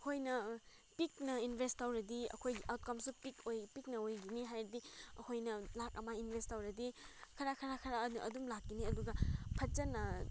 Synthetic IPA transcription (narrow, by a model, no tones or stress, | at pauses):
kʰojnɐ | pik̚nɐinbʱestawɾɐdiɐ̰kʰojɡiʔawt̚kamsupikojpik̚nɐojɡiniɦajɾidiɐkʰojnɐlak̚ɐmainbʱestawɾɐdikʰɐɾakʰɐɾakʰɐɾaʔɐ̰dumlakːiniɐduɡapʰɐt͡ʃɐnɐ